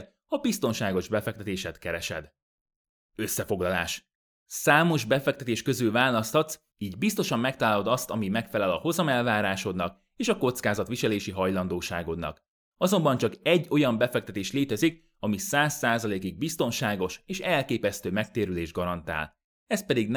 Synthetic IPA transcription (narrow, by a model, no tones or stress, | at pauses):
hɒbist̪o̞nʃaːɡo̞ʒbɛfɛk̚t̪ɛt̪eːʃɛt̪kɛɾɛʃɛ̰d̪ | ø̞sːɛfo̞ɡlɒla̰ːʃ | saːmo̞ʒbɛfɛk̚t̪ɛt̪eːʃkø̞zylvaːlɒst̪ɒt̪s | iːɟbist̪o̞ʃɒmːɛk̚t̪ɒlaːlo̞d̪ɒst̪ɒmimɛkfɛlɛlɒho̞zɒmɛlvaːɾaːʃo̞d̪nɒk̚ | eːʃɒko̞t̪skaːzɒt̪ʋiʃɛleːʃiɦɒjlɒnd̪oːʃaːɡo̞d̪nɒ̰k | ɒzo̞mbɒnt͡ʃɒkɛɟːo̞jɒmbɛfɛk̚t̪ɛt̪eːʃleːt̪ɛzik̚ | ɒmisaːsːaːzɒleːkiɡ̚bist̪o̞nʃaːɡo̞ʃeːʃɛlkeːpɛst̪øːmɛk̚t̪eːɾyleːʒɡɒɾɒnt̪a̰ːl | ɛst̪̚pɛd̪iɡn